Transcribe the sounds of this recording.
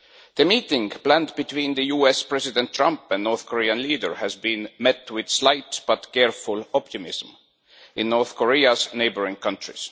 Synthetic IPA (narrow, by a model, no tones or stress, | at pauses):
ðɨmiːtɪ̃ŋplæ̃ntb̥ɨt̪ʰwĩnðɨjuːɛspɹ̥ɛzɪdɛ̃ntʰɹ̥ʌ̃mpæ̃nnɔɹθkʰɔɹiɨ̃nliːdə˞hæzbĩnmɛtwɪð̥slaɪtb̥ʌtkɛɹfʊlɔp̚tɨmɪzm̩ | ʔɪ̃nːɔɹθkʰɔɹiəzneɪbəɹɪ̃ŋkʰʌ̃ntɹɪ̰z̥